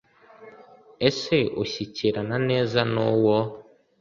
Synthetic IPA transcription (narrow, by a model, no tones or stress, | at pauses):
eseʔoɕit͡ʃeɾananɛzanɔwɔ